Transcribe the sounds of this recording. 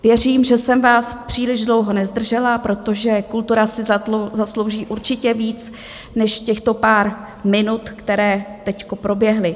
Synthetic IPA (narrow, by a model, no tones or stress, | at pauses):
vjɛriːmʒɛsɛmvaːspr̝̥iːlɪʒdlo̞wɦo̞nɛzd̪r̩ʒɛlapɾo̞t̪o̞ʒɛkult̪uɾasɪzzaslo̞wʒiːʔuɾt͡ʃɪcɛviːt͡s | nɛʃcɛxt̪o̞paːɾ | mɪnut̪kt̪ɛɾɛːt̪ɛcko̞pɾo̞bjɛɦlɪ